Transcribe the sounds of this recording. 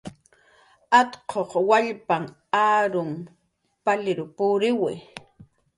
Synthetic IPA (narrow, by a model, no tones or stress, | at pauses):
at̪qʰoχwaʎpaŋ | aːɾʊm | palɪɾʊpʊɾɪwɪ̰